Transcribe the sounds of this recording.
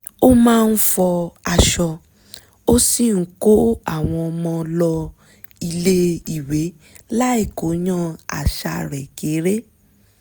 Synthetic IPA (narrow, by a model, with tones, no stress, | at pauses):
o˦mãː˦˧n̩˦fɔ˧a˧ʃɔ˧ | o˦si˦˨ŋ̩˨˦ko˦a˦˨w̃ɔ̃˧ɔ˧mɔ̃˧lɔ˧ | i˧le˦i˨we˨˦ | la˦e˦˨ko˨˦ɲã˦a̰˨ʃa˧ɾɛ˨ke˨˦ɾe˦